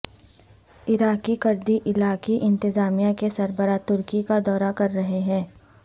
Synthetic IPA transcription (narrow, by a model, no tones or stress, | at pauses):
ɪɾaːkikɐɾd̪iʔɪlaːkiʔɪ̃nt̪ɪzaːmijãkesɐɾbəɾaːt̪ʊɾkikad̪ɔːɾakɐɾːɐɦeɦɛ̃ː